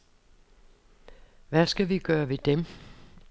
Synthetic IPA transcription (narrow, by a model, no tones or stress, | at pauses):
ʋæsɡ̥æʋiɡ̥ɶːɐʋe̝d̥em